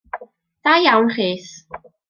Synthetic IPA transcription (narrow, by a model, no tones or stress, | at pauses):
d̥ajawnχiːθ